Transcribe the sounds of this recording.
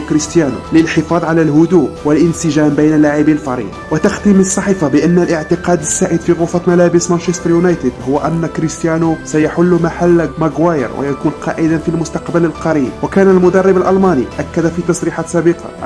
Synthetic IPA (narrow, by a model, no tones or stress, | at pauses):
kɾəst̪jænṵləlħəfɑd̪ˤʕalælɦʊd̪uwəlʔənsəʒæmbæjnəlːaʕibilfɑɾḭd̪wət̪axt̪imənəsˤːɑħifabəʔənːəlʔəʕt̪əqɑd̪əsːæʔəd̪fiɣʊfæt̪mælæbəsmænʃest̪ɾjunɑjt̪əd̪hʊwːʔænːkɾist̪jænusæjaħʊlːʊmaħalːmaɡwajə̰ɾwʔə̰jækuːnqʰɑ̰ːʔəd̪anfilmʊst̪ɑqbələlqɑɾibwəkænælmʊd̪ɑrˤːəbəlʔɑlmɑnḭʔækːæd̪æfit̪ɑsˤɾiħat̪sæbəqʰɑ̰